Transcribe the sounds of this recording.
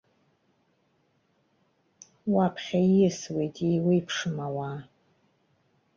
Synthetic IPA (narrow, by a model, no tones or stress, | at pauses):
wapʰχʲaiɪswe̞jtʼijwijpʰʂɨmawaː